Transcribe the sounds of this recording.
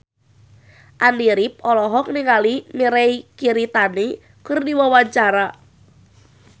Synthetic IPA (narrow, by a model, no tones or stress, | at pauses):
ʔandiɾip̚ɔlɔɦɔk̚niŋalimiɾɛjkiɾit̪ane | kɨrdiwawaɲt͡ʃaɾa